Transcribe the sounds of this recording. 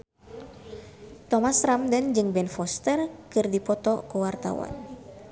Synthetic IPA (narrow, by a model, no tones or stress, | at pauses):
t̪ɔmasɾamdənd͡ʒɨŋbɛnfɔst̪ɛrkɨrdipɔt̪ɔkuwart̪a̰wa̰n